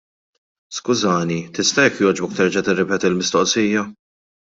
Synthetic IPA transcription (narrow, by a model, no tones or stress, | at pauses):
skʊzɐːnit̪ɪst̪ɐjɛkːjɔːd͡ʒbɔk̚t̪ɛɾd͡ʒɐt̪ɪrːɛpɛːt̪ilmɪst̪ɔʔsiːjɐ